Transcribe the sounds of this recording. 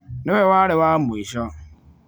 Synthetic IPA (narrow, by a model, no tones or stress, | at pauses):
nʊewaɾɪwamʊiʃɔ